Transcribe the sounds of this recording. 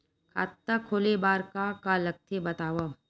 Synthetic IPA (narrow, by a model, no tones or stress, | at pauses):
kʰa̰ːt̪ːakʰoːlebaːɾkakaːlɐk̚t̪ʰebɐt̪aːʋa